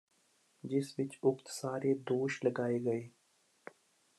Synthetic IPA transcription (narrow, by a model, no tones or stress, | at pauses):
d͡ʒɪsʋɪt͡ʃʊkt̪saːɾed̪oːʃləɡaːeɡəeː